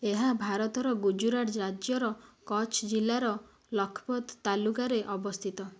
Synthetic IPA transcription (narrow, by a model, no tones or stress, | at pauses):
eɦabʱaɾɔt̪ɔɾɔɡud͡ʒuɾaʈɾad͡ʒjɔɾɔkɔt͡ʃʰd͡ʒilːaɾɔ | lɔkʰɔ̥pɔd̪t̪alukaɾeʔɔbɔst̪ʰit̪ɔ